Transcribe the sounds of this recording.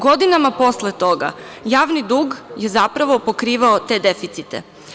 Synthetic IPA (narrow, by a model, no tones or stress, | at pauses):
ɡo̞d̪inamapo̞slet̪o̞ɡa̰ | jaːʋnid̪uːɡje̞zapɾaʋo̞po̞kɾiːʋaot̪e̞ːd̪e̞fit̪sit̪ḛ